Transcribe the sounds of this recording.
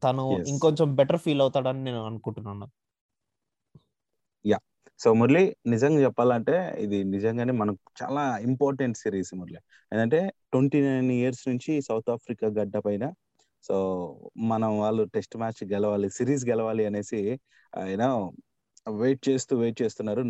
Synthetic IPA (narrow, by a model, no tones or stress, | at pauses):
t̪ɐnuiŋkoɲt͡ʃɐmbɛʈɐɾpʰiːlɐwt̪aːɽaːnikne̞ːnuɐnukuɳʈunːanːa | jaː | soːmɐɾlinizɐŋɡaːt͡ʃɛpːaːlɐɳʈe̞ːḭd̪inid͡ʒɐŋɡaːneːmɐnɐkt͡ʃa̰ːlaːimpaːɾʈeɳʈsiːɾiːsmuɾli | enɐɳʈe̞ːʈwoɳʈiːnajnijɐɾsnuɲt͡ʃisɐwt̪ʰaːpʰɾikaːɡɐɖːɐpɐjnɐ | soːmɐnɐmʋaːɭːuʈesʈmaːt͡ʃɡɛlɐʋaːlisiːɾiːs̬ɡɛlɐʋaːliɐne̞ːsi | a̰ːjnɐ | ʋe̞ːʈ̚t͡ʃe̞ːst̪uːʋeːʈ̚t͡ʃe̞ːst̪unːaːɾu